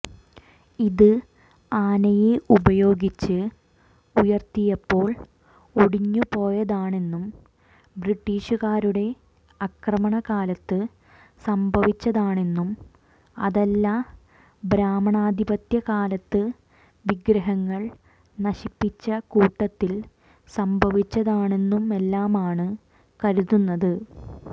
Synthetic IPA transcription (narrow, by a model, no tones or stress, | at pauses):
iðɨ | aːnɐjeʔubɐjo̞ːɡit͡ɕːɨ | ujɐrt̪ijɐpːo̞ːɭ | oɽiɲːupo̞ːjɐðaːɳe̞nːum | bɾiʈːiːɕuɣaːɾuɽe̞ | ɐkrɐmɐɳɐkaːlɐt̪ːɨ | sɐmbʱɐʋit͡ɕːɐðaːɳe̞nːum | ɐ̰ðɐlːa | bɾaːmɐɳaːd̪ʱibɐt̪jɐkaːlɐt̪ːɨ | ʋiɡɾɐɦɐŋːɐɭ | nɐɕipːit͡ɕːɐkuːʈːɐt̪ːil | sɐmbʱɐʋit͡ɕːɐðaːɳe̞nːume̞lːaːmaːɳɨ | kɐɾuðunːɐðɨ